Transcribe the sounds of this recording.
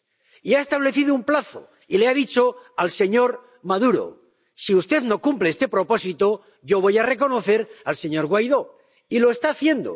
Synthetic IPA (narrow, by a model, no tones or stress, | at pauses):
iaest̪aβ̞le̞θiðoumplaθo̰ | ileaðit͡ʃo̞alse̞ɲo̞ɾ | maðuɾo̰ | siust̪e̞ðno̞kumpleest̪e̞pɾo̞po̞sit̪o̞ | ʝo̞β̞o̞jare̞k̬o̞no̞θe̞ɾalse̞ɲo̞ɾɣwajðo̞ | ilo̞e̞st̪aːθje̞nd̪o̰